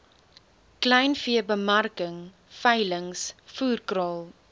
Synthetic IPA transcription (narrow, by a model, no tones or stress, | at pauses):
klɛjnfiəbəmɐrkəŋ | fɐjləŋsfuːrkrɑːlˠ